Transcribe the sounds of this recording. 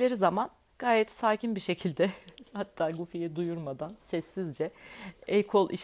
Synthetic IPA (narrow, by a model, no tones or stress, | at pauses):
lʲeɾizaman | ɡ̥aːjɛt̪saːcʰinbiʃe̞cʰilʲd̪ɛhat̪ʰːaːɡufijɛd̪ujuɾmad̪ansɛsːizd͡ʒɛɛjkʰolˠʔḭʃ